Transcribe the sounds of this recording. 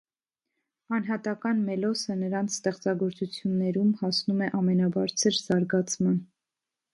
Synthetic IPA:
ɑnɦɑt̪ɑkɑnmɛlɔsənəɾɑnt͡sʰst̪ɛχt͡sɑɡɔɾt͡sut͡sʰjunːɛɾumhɑsnumɛʔɑmɛnɑbɑɾt͡sʰəɾz̥ɑɾɡɑt͡sʰmɑn

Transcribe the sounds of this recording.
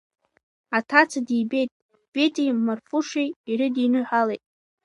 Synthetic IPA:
atʰat͡sʰadiːbe̞jtʼ | b̥ejtʼimarfuʂejiɾɪdinɨħʷalejtʼ

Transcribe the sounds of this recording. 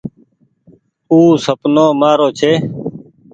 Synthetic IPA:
uːsəpnoːmaːɾoːt͡ʃʰeː

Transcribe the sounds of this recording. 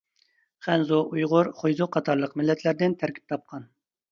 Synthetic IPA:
χɛnzuʔujʁʊɾχojzʊqʰɑt̪ʰɑɾlˠəqmɪlːɛt̪ʰlæɾd̪ɪnt̪ʰæɾkʲʰi̥p̚t̪ʰɑp̚qʰɑn

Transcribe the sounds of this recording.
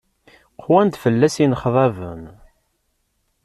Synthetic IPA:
qʰwænd̪fəlːæsinəχðˤɑvə̰m

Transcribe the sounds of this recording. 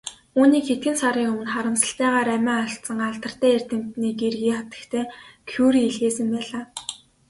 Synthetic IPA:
uːniːkxet̪̚ɡɘ̆nsaɾiːŋɵmɘ̆nχaɾə̆msə̆ɬt̪æːʁaːɾæmæːaɬt̪sə̆ŋaɮt̪ə̆r̥t̪æːer̥ʲt̪ɘ̆m̥t̪niːkerɣiːχat̪ə̥̆kt̪ʰeːkʰuːɾiːɮɣeːsɘ̆mpæːɮaː

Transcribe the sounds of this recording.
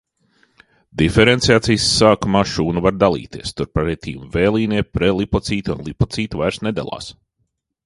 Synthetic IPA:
d̪ifɛɾent̪sijaːt̪sijsːaːkumaːʃuːnuvaɾd̪alˠḭːt̪iɛst̪uɾpaɾɛt̪ḭːumvɛːlˠiːniɛpɾɛlˠipɔt̪siːt̪unlˠipɔt̪siːt̪uvajɾsnɛd̪ɛ̰lˠa̰ːs

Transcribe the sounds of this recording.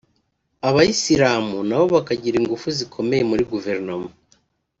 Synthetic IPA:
aβajisiɾaːmunaβo̞βakaɟiɾiŋɡufuzikʰo̞me̞je̞muɾiɡuve̞ɾnoma

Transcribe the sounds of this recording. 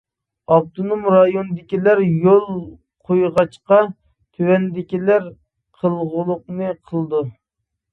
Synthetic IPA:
ɑb̚t̪onumɾɑjonɨd̪ɪkʲilæɾjolˠ | qʰojʁɑt͡ʃqɑ | t̪ʰywɛnd̪ɪkʲilæɾ | qʰəlˠʁʊlˠʊq̚nɨqʰəlˠd̪u

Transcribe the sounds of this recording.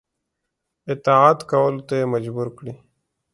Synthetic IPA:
ɪt̪aaːt̪kawəlut̪aeməd͡ʒbuɾkɽi

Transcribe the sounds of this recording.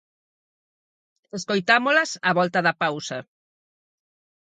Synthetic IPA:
eskojt̪amolɐsaβɔlt̪ɐðɐpawsɐ̰

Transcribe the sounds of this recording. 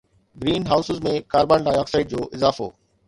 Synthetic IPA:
ɡɾiːnɦaːʊsɪzmẽkaːɾbaɳɾãːjaːksaːɪɖ̚d͡ʑoːʔɪzaːfo̰ː

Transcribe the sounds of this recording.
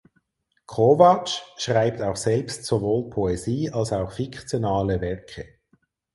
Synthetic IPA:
kʰovat͡ʃʃʁaɪp̚taʊxsɛlpstsovoːlpʰoeziːɑlsaʊxfikʰt͡sjonaːləvɛʁkʰə

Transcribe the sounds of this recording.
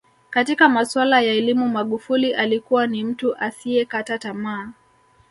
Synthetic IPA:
katikamaswalajaɛlimumaɠufuliʔalikuwanim̩tuʔasiɛkatatamaː

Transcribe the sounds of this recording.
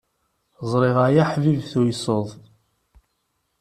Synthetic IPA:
zˤɾˤɪʁajaħvivθujsˤoðˤ

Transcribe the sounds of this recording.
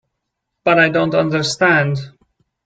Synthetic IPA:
b̥ʌɾajdõntʌ̃ndəɹstæ̃nd

